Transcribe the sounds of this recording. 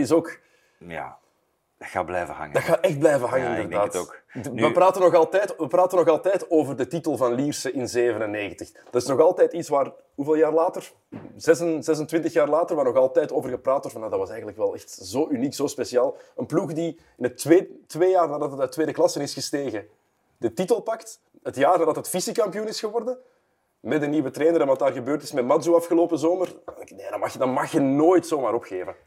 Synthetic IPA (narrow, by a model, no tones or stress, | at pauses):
tɪsoːk | a̰ | dxa̰ːblɛ̰jvə̰ɦɑ̰ŋdɑtxaːʔɛxt̚blɛjvəɦɑŋənɪndərdaːtoːkʋəpraːtənɔɣɑlˠtɛjtʋəpraːtənɔɣɑlˠtɛːtoːvərdətitəlˠvɑnliːrsəʔɪnzeːvənənːeːɣəntəx | d̥ɑtɪsnɔɣɑlˠtɛːtitsʋaːr | ɦuveːlˠjaːrlaːtər | zɛsənzɛs̬əntʋɪntəxjaːrlaːtərʋaːrnɔxɑlˠtɛːjtoːvərɣəpraːtɔtvɑnjaːdɑtʋɑsɛjɣənləkʋɛlˠɛxtzoːʔyniːksoːspesiaːlˠənpluxdi | ɪnəteːtʋeːjaːrnaːdɑtəətːʋeːdəklɑsənɪsxəsteːɣə | dətitəlˠpɑkt | ətjaːrnaːrdɑtətfisikɑmpiunɪsxəʋɔrdə | mɛdəniːʋətɾɛːnəɾɛnʋɑtdaːrɣəbøːrtɪ̥smɛtmɑnzuɑfxəloːpəzoːmərnedɑɑxjdɑnmɑxjənoːjtsoːmaːɾɔpxeːvə